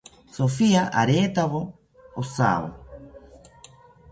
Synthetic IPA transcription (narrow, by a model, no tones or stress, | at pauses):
sofiaʔaɾeːt̪aβo | osa̰βo̰